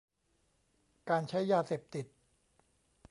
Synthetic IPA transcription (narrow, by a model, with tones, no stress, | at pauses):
kaː˧nt͡ɕʰa˦˥jːaː˧seː˨˩p̚t̪i˨˩t̪̚